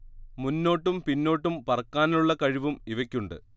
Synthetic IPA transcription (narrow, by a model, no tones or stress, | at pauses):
munːo̞ːʈːumpinːo̞ːʈːumpɐrɐkːaːnuɭːɐkɐɻiʋumiʋɐkʲːuɳɖɨ̰